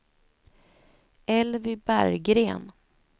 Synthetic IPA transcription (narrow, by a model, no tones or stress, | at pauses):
ɛlvɪbæ̰ɾɡɾeːn